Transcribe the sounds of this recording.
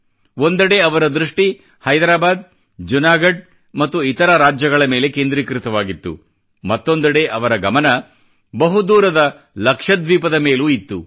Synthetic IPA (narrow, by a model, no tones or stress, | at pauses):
ond̪ɐɽeɐʋɐɾɐd̪ɾuʂʈi | hɐjd̪ɾaːbaːd̪̚ | d͡ʒunaːɡɐɖ̚ | mɐt̪ːuit̪ɐɾɐɾaːd͡ʒjɐɡɐɭɐme̞ːle̞keːnd̪ɾikɾit̪ɐʋaːɡit̪ːṵ | mɐt̪ːo̞nd̪ɐɽeʔɐʋɐɾɐɡɐmɐnɐ | bɐɦud̪uːɾɐd̪ɐ | lɐkʂɐd̪ʋiːpɐd̪ɐme̞ːluːit̪ːu